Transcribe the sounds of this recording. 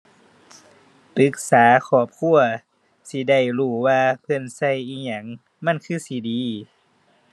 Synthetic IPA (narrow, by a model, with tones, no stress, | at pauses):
pɯ˧˦k̚saː˩˦kʰɔː˧˩p̚kʰu˧˨ɐ | si˧˦da˧˩jluː˧˩waː˧pʰɤ˧˥˨nsa˧˨jʔiː˧˩ɲa˧˦ŋ | ma˧˥˨nkʰɯː˧˩˨si˧˦diː˨˧˦